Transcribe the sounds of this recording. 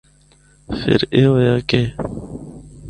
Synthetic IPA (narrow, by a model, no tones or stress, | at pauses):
fḛɾeːwojaːke